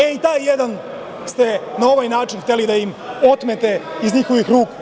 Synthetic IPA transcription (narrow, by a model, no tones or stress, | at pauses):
eit̪aːjːed̪an | st̪e̞nao̞ʋajnaːt͡ʃinxt̪e̞lid̪ajimo̞t̪met̪e̞izɲixo̞ʋixɾuːk